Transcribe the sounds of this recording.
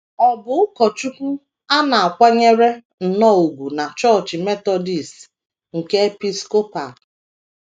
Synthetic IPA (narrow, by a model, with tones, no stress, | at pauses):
ɔ˨bʊ˨ʊ˦kɔ˨t͡ʃu˦kʷu˦ | a˦na˨a˨kʷa˦ɲe˦ɾe˦ | n̩˨nɔ˦˨u˨ɡʷu˨na˨t͡ʃɔ˦˨t͡ʃɪ˨me˦tɔ˦di˨s | ŋ̩˨ke˦e˦pi˦sko˦pa˨